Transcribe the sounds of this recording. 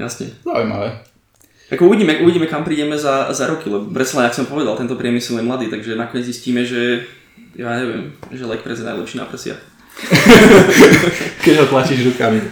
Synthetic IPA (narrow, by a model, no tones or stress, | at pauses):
ja̰sɲɛ̰zaṵjma̰ʋɛ | ʔakɔuʋiɟiːmɛʔuʋiɟiːmɛkampɾiːɟɛmɛzazaɾɔkilɛbɔpɾɛtt͡salɛɲaksɔmpɔʋɛd̪alˠt̪ɛnt̪ɔpɾɪɛmisɛljɛmlad̪iːt̪aɡʒɛnakɔɲɛd͡zzisciːmɛʒɛ | jaːɲɛʋɪɛ̰mʒɛlɛk̚pɾɛzɛna̰jlɛ̰pʃiːna̰prəsɪa̰ | kɛɟɦɔt̪lat͡ɕiːʒɾukami